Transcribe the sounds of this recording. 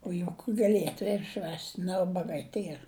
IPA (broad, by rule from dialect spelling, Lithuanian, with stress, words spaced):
oː jʊk ɡɐˈlʲiɛtʊ ɪr ˈʃʲʋʲæːsʲtʲ nʲɛ ˈʊbɐɡɐɪ ˈtʲiɛr